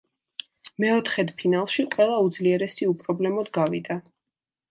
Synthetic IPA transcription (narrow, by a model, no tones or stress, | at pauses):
mɛɔt̪ʰχɛd̪pʰinalˠʃiqʼwɛlˠaud̪zliɛɾɛsiupʼɾɔblɛmɔd̪ɡavid̪a